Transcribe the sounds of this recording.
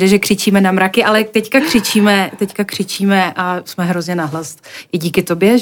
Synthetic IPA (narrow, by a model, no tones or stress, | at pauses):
dɛʒɛkr̥ɪt͡ʃiːmɛnamɾakɪʔalɛt̪ɛckakr̝̥ɪt͡ʃiːmɛt̪ɛckakr̝̥ɪt͡ʃiːmɛʔasmɛɦɾozɲɛnaɦlast̪ʔɪɟiːkɪt̪o̞bjɛ